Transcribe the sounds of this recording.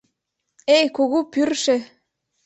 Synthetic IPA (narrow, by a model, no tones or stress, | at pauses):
ejkuɣupyrʃe